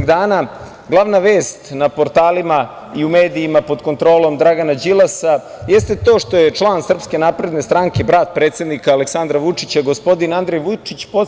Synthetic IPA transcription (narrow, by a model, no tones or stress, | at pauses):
d̪aːna | ɡlˠaʋnaʋe̞ːst̪napo̞ɾt̪aːlima | iume̞ːd̪iːmapo̞d̪ko̞nt̪ɾo̞ːlˠo̞md̪ɾaɡanad͡ʑilˠasajest̪e̞t̪o̞ːʂt̪o̞jet͡ʂlˠansr̩pske̞napɾe̞d̪ne̞st̪ɾaŋkebɾaːt̪̚pɾeːt̪sed̪nikaːleksand̪ɾaʋut͡ʂit͡ɕaɡospo̞d̪inand̪ɾejʋut͡ʃit͡ɕpo